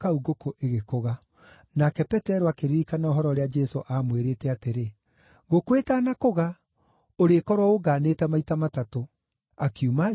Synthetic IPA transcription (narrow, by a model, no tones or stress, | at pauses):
kauɡokoʔeɣekoɣa | nakɛpɛtɛɾoakeɾiɾikanaoɦɔɾɔoɾead͡ʒɛsoʔamweɾeːtɛateɾe | ɣokwetaːnakoɣa | oɾekɔɾwɔoɡaːneːtamaitamatato | akiuma